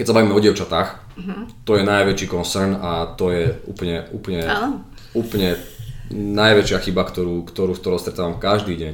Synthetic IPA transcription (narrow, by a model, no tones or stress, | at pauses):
kɛcsabaʋiːmɛɔɟɪɛʊt͡ʃat̪aːx | t̪ɔjɛnajʋɛt͡ʃiːkɔnsɛɾnat̪ɔjɛṵːpɲɛuːpɲɛ | uːplɲɛ | najʋɛt͡ʃɪaxibakt̪ɔɾuːkt̪ɔɾuːkt̪ɔɾɔ̃ʊst̪ɾɛt̪aːʋamkaʒd̪iːɟɛɲ